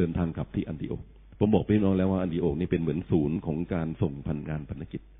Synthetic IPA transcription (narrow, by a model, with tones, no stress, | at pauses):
əː˧nt̪ʰaː˧ŋkʰa˨˩p̚t̪ʰiː˥˩ʔa˧ndi˨˧ʔo̰ː˨˩k̚ | pʰo˩˦mbɔː˨˩k̚paː˧˥˧i˥˩nɔː˦˥ŋlɛː˦˥waː˥˩ʔa˧ndiː˧˩ʔoː˨˩k̚niː˥˩pe˧nmɯ˩˦ənsuː˩˦nkʰɔː˩˦ŋkaː˧nso˨˩ŋpʰa˧nŋaː˧npʰa˧nːa˦˥ki˨˩t̪̚